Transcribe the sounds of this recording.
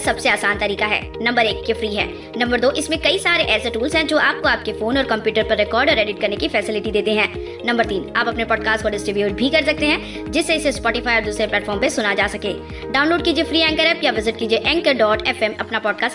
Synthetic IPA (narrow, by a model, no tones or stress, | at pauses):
sɐbseaːsaːnt̪ɐɾiːkaɦɛ̰ːnɐ̃mbəɾeːkːefɾiːɦɛ̰ː | nɐ̃mbəɾd̪oːʔɪsmẽkɐisaːɾeʔɛːseʈuːlzɦɛ̃d͡ʒoːʔaːp̚koaːp̚kefoːnɔːɾkɐ̃mpjuːʈəɾpɐɾːɪkɔːɾɖɔːɾɛːɖɪʈ̚kɐɾnekifɛːsɪlɪʈid̪eːt̪eɦɛ̃ː | nɐmbəɾt̪iːna̰ːpɐpnepɔːɖ̚kaːsʈkoɖɪsʈɾɪbjuːʈ̚bʱikɐɾsɐk̚t̪eɦɛ̃ː | d͡ʒɪsːeɪsespɔːʈɪfaːiɔːɾd̪uːsɾeplɛːʈfʰɔːɾmpẽsʊnad͡ʒaːsɐkeː | ɖaːʊ̃nloːɖ̚kid͡ʒiefɾiːɛ̃ŋkəɾɛːpjaʋɪzɪʈkid͡ʒieʔɛ̃ːŋkəɖɔːʈɛːfɛmɐpnapɔːɖkaːs